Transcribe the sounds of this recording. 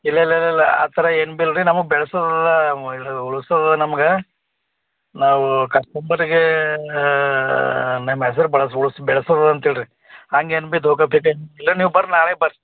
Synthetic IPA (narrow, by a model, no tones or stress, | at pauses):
ilːɐilːɐilːɐilːɐa̰ːt̪ʰɐɾɐenbilɾinɐmɐɡbɛɭɐsɐd̪ɐlːɐiɽuɭusɐd̪ɐlːɐnɐmɐɡe | naːʋukɐsʈɐmbɐɾiɡe | nɐmes̬ɐɾubɐɭɐsuɭusbɛɭɐsɐd̪ɐlːɐnt̪iɭiɾi | ɦaːŋɡeenbid̪ʱoːkɐpʰikɐenilːɐniːʋbɐɾnaːɭebɐɾ